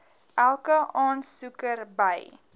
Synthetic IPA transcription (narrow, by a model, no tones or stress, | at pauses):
ʔælˠkəʔɑːnsukərbəj